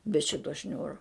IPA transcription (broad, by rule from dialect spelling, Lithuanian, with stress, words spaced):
bʲɛ ˈʃʲɪtoː ˈʃʲnʲuːroː